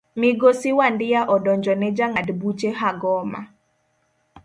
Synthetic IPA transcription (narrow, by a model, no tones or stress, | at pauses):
mɪɡosɪwandɪjaʔɔdɔɲd͡ʒɔnɛd͡ʒaŋadbut͡ʃeɦaɡɔma̰